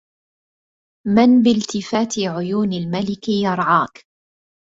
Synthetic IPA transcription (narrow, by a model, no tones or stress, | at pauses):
mɪnbɪlt̪ɪfaːt̪ɪʕʊjuːnalmalɪkɪjɑɾˤʕɑːk